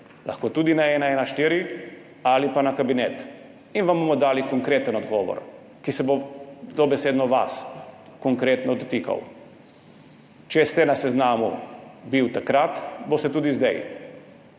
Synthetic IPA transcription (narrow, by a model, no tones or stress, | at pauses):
la̰xkoːt̪uːd̪inaɛnaɛːnaʃt̪iːɾi | alipanakabinɛt̪ | inʋambomɔd̪aːlikoŋkɾeːt̪ənɔd̪ɡɔːʋɔ̰ɾ | kisɛbod̪ɔbɛseːd̪nɔʋa̰skɔŋkɾeːt̪nɔd̪ot̪ika̰w | t͡ʃɛst̪ɛnasɛznaːmṵbiwt̪akɾat̪bost̪ɛt̪uːd̪izd̪aj